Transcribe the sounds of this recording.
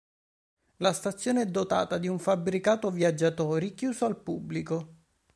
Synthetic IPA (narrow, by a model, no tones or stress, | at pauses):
last̪at̪sːjoːneɛd̪ːot̪a̰ːt̪ad̪iuɱfabɾikaːt̪ovjad͡ʒːat̪ɔːɾikjuːsoalpubːliko